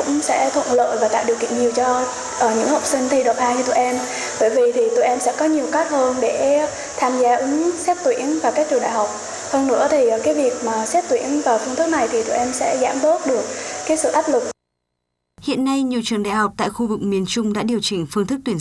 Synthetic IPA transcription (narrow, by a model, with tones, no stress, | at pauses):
ʊ̰˧˥ŋ͡msɛ̰˧˥t̪ʰwə˧˨nlə̰ː˧˨jvaː˨˩a̰ː˧˨wɗi˨˩əkḭ˧˨əŋɲi˨˩əwt͡ɕɔ˧ | ʔəː˨˩ɲɨ̰˧˥ŋhə˨˩wk͡p̚sï˧ŋ̟t̪ʰi˧ɗə˨˩p̚haː˧jt͡ɕɔ˧t̪ṵ˧˨ʔɛ˧m | ɓəː˧˩jvi˨˩t̪ʰi˨˩t̪ṵ˧˨jʔɛ˧msɛ̰˧˥kɔ˨˦ɲi˨˩əwkaː˦˥t̚həː˧nɗe˧˩ | t̪ʰaː˧mzaː˧ʔɨ˨˦ŋsɛ˦˥p̚t̪wḭ˧˥ənvaː˨˩kaː˦˥k̚t͡ɕu˧˩ŋɗa̰ː˧˨jɦa˨˩wk͡p̚ | t̪ʰə˧wŋ͡mnɨ̰˧˥ət̪ʰi˨˩˨kaː˨˦jvi˨˩ək̚maː˨˩sɛ˦˥p̚t̪wi˧˥ənvaː˨˩fɨ˧ŋt̪ɨ˦˥k̚na˨˩jt̪ʰi˨˩t̪ṵ˧˩˨ʔɛ˧msɛ̰˧˥za̰ː˧˥mt̪o˦˥t̚ɗɨ˨˩ək̚kaː˨˦jsɨ̰˧˨ʔaː˦˥p̚lɨ˨˩k̚ | hḭ˧˨ənːa˧jɲi˨˩əwt͡ɕɨ˨˩əŋɗa̰ː˧˨jhɔ˨˩wk͡p̚t̪a̰ː˧˨jxu˧vɨ˨˩k̚mi˨˩ənt͡ɕʊ˧ŋ͡mɗa̰ː˧˥ɗi˨˩əwt͡ɕï˧˨˩ŋ̟fɨ˧ŋt̪ʰɨ˦˥k̚t̪w